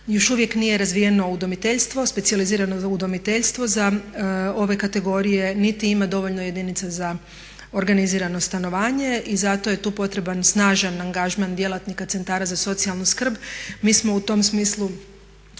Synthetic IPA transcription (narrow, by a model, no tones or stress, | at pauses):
jo̞ʃuʋje̞knije̞ɾazʋijeno̞ud̪o̞mit̪eʎst̪ʋo̞spetsializiːɾanoud̪o̞mit̪eʎst̪ʋo̞za | o̞ʋe̞kat̪e̞ɡo̞ɾije̞nit̪iimad̪o̞ʋo̞ʎnoje̞d̪init̪saza | o̞ɾɡaniziːɾano̞st̪ano̞ʋaːɲe̞ʔizat̪o̞je̞t̪uːpo̞t̪ɾe̞bansnaːʒanaŋɡaʒmand̪je̞lat̪nikat̪se̞nt̪aːɾazaso̞t̪sijalˠnuskr̩bmiːsmo̞ut̪o̞msmiːslˠu